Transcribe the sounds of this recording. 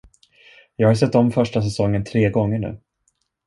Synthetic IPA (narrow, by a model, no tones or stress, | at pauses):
jɑːɡhas̬ɛt̪ːɔmfœʂʈas̬ɛsɔŋːənt̪ʰɾeːɡɔŋːəɳʉ̟̰ː